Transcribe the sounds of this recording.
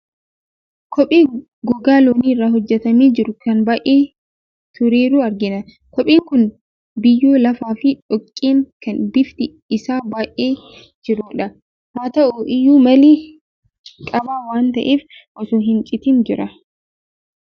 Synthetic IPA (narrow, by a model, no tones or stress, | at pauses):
kʰɔpʼeː | ɡɔɡaːloːniːrːaːɦɔd͡ʒːɛt̪ɐmiːd͡ʒɪɾʊkɐnbaːʔeː | t̪ʊɾeːɾuːɐɾɡɪnɐ | kɔpʼiːŋkʊn | bɪjːoːlɐfaːfɪᶑɔkʼːiːŋkɐnbɪft̪ɪ | ɪsaːbaːʔeː | d͡ʒɪɾuːᶑɐ | haːt̪ɐʔʊʔɪjːuːmɐleː | kʼɐbaːwaːnt̪ɐʔeːfʔɔsuːɦɪnt͡ʃʼɪt̪iːnd͡ʒɪɾɐ